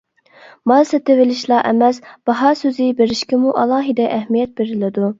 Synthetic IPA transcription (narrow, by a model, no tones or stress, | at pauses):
mɑsɛt̪evɪlɪʃlˠɑʔɛ̰mɛsb̥ɑɦɑːsøzɪbeɾɪʃkʲɪmuʔɑlˠɑːɦɨd̪ɛʔɛhmijɛt̪̚beɾɪlɪd̪u